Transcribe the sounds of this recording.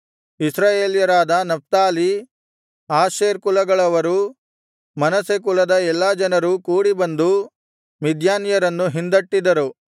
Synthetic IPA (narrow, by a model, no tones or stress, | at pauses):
isɾaːjeːljɐɾaːd̪ɐnɐp̚t̪aːli | aːʃeːɾkulɐɡɐɭɐʋɐɾu | mɐnɐsek̬ulɐd̪ɐɛlːad͡ʒɐnɐɾukuːɽibɐnd̪u | mid̪ʱjaːnjɐɾɐnːuɦind̪ɐʈːid̪ɐɾu